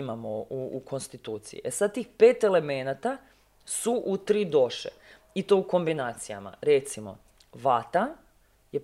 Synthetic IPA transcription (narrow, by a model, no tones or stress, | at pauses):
imamouːkʰo̞nst̪it̪uːt̪sḭjḭʔesad̪̚t̪iːxpe̞ːt̪e̞le̞menat̪a | suʔut̪ɾid̪o̞ʃḛ | it̪o̞uko̞mbinaːt̪sija̰ma̰ɾet̪simo̞̰ | ʋat̪an | je